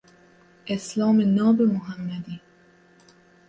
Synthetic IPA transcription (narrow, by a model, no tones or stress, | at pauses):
ʔeslɑːmenɒːbemoɦæmːæd̪iː